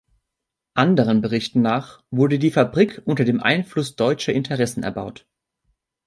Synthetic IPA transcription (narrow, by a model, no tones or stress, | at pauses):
ʔandəʁ̞ənbəʁɪçtn̩naːχv̥ʊɐdədiːfabʁikʰʔʊntɐdeːmʔa̰ɪnflʊsd̥ɔʏt͡ʃɐʔɪntʰəʁɛsn̩ɛ̰ɐba̰ʊt